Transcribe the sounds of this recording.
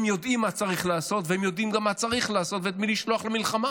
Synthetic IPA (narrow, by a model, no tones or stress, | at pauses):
mjo̞d̪ʔimːat͡saʁiχlaːso̞t̪vehemjo̞d̪imɡamːat͡saʁiχlaːso̞t̪veet̪miliʃlo̞aχlemilχama